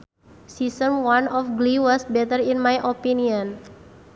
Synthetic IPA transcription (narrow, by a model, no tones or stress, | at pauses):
sisəmwanɔfɡliwɔsbɛt̪əɾinmajʔopiniɔn